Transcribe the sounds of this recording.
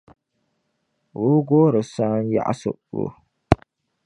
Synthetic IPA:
wo˦ɡoː˦ɾɨ˨sa˦n˦ja̰˦ʔa̰˦sɨ̰˦ | o̰˨

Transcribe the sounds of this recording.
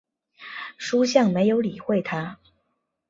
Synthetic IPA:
ʂu˥ɕjɑ˥˩ŋme˧˥ɪjo˧˥ʊli˨˩xwe˥˩ɪt̪ʰa˥

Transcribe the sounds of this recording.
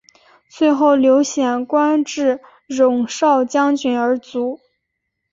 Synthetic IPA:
t͡sʰwe˥˧ɪxo˥˩ʊljo˧˥ʊɕjɛ˨˩nkwa˥nʈ͡ʂɻ̩˥˩ | ɻʊ˨˩ŋʂɑ˥˩ʊt͡ɕjɑ˥ŋt͡ɕy˨˩nə˞˧˥t͡su˧˥

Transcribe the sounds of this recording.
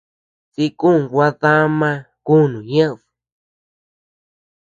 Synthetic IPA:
t͡si˧ku˦˨ŋ˨ɡʷa˦ða˦mã˦˧ | ku˦˨nũ˨ɲã˦ʔðɨ̥˨

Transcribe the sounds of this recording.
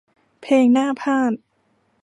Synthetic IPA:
pʰeː˧ŋnaː˥˩pʰaː˥˩t̪̚

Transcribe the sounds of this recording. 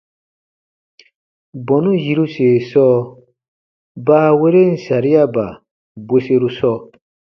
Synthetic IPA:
bɔ̃˨nũ˦ji˦ɾu˦se˨sɔː˦ | baː˦we˦ɾe˦n̩˨sa˨ɾi˦ja˦ba̰˨ | be˦se˦ɾu˦sɔ˧

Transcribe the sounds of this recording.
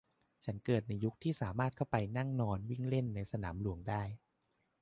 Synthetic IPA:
t͡ɕʰa˦˥nkɤː˨˩t̪̚na˧jːu˦˥k̚t̪ʰiː˥˩saː˩˦maː˥˩t̪̚kʰa˥˩wpa˧jna˥˩ŋnɔː˧nwi˥˩ŋle˥˩nːa˧jsa˧naː˩˦mlu˩˦əŋdaː˥˩j

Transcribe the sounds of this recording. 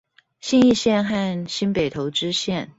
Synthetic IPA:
ɕi˥˧ni˥˧ɕjɛ˥˧nxa˥˧nɕi˥npe˨˩ɪt̪ʰo˧˥ʊʈ͡ʂɻ̩˥ɕjɛ˥˩n

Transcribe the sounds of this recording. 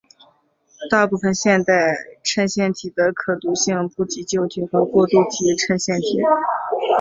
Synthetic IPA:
t̪a˥˧pu˥˩fə˨˩nɕjɛ˥˧nt̪a˥˩ɪʈ͡ʂʰə˥nɕjɛ˥˩nt̪ʰi˨˩d̪ə˦kʰɤ˨˩t̪u˧˥ɕi˥˧ŋpu˥˩t͡ɕi˧˥t͡ɕjo˥˩ʊt̪ʰi˨˩xɤ˧˥kwɔ˥˧t̪u˥˩t͡ɕ̪ʰi˧˥ʈ͡ʂʰə˥nɕjɛ˥˩nt̪ʰi˨˩˦

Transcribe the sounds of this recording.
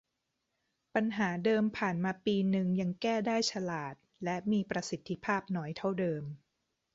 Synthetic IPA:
pa˧nɦaː˩˦dɤː˧mpʰaː˨˩nmaː˧piː˧nɯ˧ŋja˧ŋkɛː˥˩daː˥˩jt͡ɕʰa˧laː˨˩t̪̚lɛ˦˥ʔmiː˧pɾa˧si˨˩˦t̪ʰːi˦˥pʰaː˥˩p̚nɔː˦˥jt̪ʰa˥˩wdɤː˧m

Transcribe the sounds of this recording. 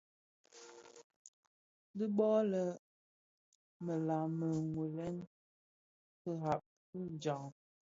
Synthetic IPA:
də˦bɔ˦lə˨ | mə˨la˨mə˨ŋwu˨lɛ˦n | tə˦ɦa˨p̚ | tə˦n˨d͡ʒɔ˨ŋ

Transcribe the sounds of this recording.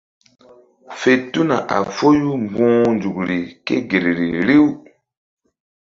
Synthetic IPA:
fe˨tu˦na˨ʔa̰˨fo˦ju˦mbɔ̃ː˦nd͡ʒu˨kɾi˨kḛ˦ɡe˨ɾɾi˨ɾi˦w

